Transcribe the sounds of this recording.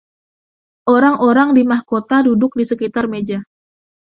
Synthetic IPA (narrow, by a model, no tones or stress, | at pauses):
ʔoɾaŋoɾaŋdimahkot̪adudʊk̚disəkit̪armed͡ʒa